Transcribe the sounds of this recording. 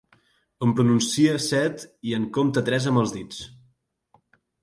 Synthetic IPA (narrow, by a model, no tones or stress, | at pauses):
əmpɾununsiəsɛt̪iəŋkomt̪ət̪ɾɛzəmbəlˠzðit͡s